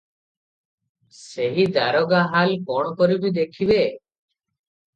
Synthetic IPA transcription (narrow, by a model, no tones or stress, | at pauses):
seɦid̪aɾɔɡaɦalkɔɽ̃ɔkɔɾibid̪ekʰibe